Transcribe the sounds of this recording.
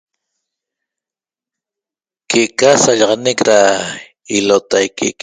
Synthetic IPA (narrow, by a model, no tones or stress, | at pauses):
keʔkasaʎɑʁɑnekɾa | ilot̪ajkʰḭʔk